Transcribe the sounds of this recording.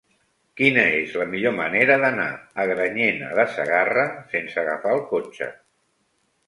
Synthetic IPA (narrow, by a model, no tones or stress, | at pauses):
kinəezləmiʎoməneɾəðəna̰əɣɾəɲenə̰ðəsə̰ɣarəsensəɣə̰faəlˠkot͡ʃə̰